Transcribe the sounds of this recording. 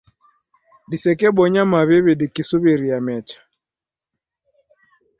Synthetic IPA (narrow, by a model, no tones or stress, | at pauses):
disɛkɛɓɔɲamaβiβiɗikisuβiɾiamɛt͡ʃḁ